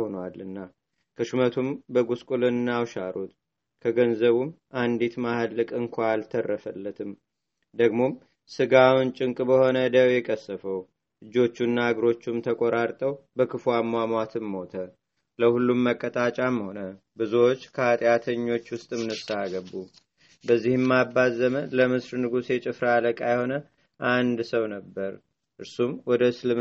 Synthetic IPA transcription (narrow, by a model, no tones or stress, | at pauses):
honwalːɨnːa | kʰəʃumət̪ʰumbəɡuskʼulɨnnːawʃaɾut̪ | kʰəɡənzəβumʔand̪it̪mahd̪lːɨkʼɨŋkʰʷaalt̪ʰərːəfəlːət̪ʰɨm | d̪əɡmo̞m | sɨɡawʊnt͡ʃʼɪŋkʼbəho̞nəd̪əwjɛkʼəsːəfəw | ɨd͡ʒːo̞t͡ʃːunːaaɡɾo̞t͡ʃːumt̪ʰəkʼoɾaɾt̪ʼəwbəkʰɨfwamːwamat̪ʰɨmːo̞t̪ʰə | ləhulːumːəkʼːət̪ʼat͡ʃʼamho̞nə | bɨzuwo̞t͡ʃːkʰəat̪ʼjat̪ʰəɲːo̞t͡ʃːwʊst̪ʼmɨnɨsaaɡəbu | bəzːihɨmːabazəmənləmɨsɾnɨɡusjɛt͡ʃʼɪfɾaaləkʼajɛho̞nə | ʔand̪səwnəbːəɾ | ʔɨɾsumwɔd̪əslɨm